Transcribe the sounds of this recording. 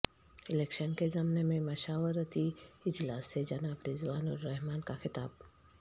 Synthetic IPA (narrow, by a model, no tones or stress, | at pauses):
ɪleːkʃənkezɐmnemẽmɐʃaːʋəɾət̪iɪd͡ʒlaːsːed͡ʒɐnaːbɾɪzʋaːnɔɾːɛɦmaːnkaxɪt̪a̰ːb